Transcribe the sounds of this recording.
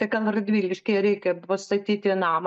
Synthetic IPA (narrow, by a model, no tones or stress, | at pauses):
t̪ɐɪkɐlˠrɐd̪ʲʋʲiːlʲɡʲɪʃʲkʲɛɪɾʲɛɪkʲɛpɐst̪ɐt̪ʲiːt̪ʲɪnɑːm